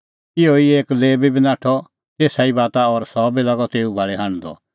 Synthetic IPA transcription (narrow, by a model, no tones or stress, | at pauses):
ɪoieːkleːbibinãːʈʰɔ | t̪eːsaibaːt̪aɔɾsɔːbilɐɡɔt̪eːubʱaːɭɛɦãːñd̪ɔ̰